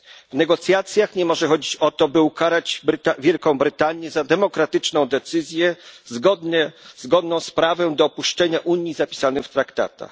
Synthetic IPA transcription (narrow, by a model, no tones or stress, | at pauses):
vnɛɡɔt̪sʲjat̪sʲjaxɲɛmɔʐɛxɔd͡ʑit͡ɕɔt̪ɔbɘukaɾad͡ʑb̪avʲjɛlkɔ̃w̃bɾɘt̪aɲjɛzad̪ɛmɔkɾat̪ɘt͡ʂnɔ̃w̃d̪ɛt̪sɘzʲjɛzɡɔd̪ɲɛzɡɔd̪nɔ̃w̃spɾavɛd̪ɔːpuʂt͡ʂɛɲaʔuɲjizapʲi̥sanɘxft̪ɾakt̪a̰t̪a̰x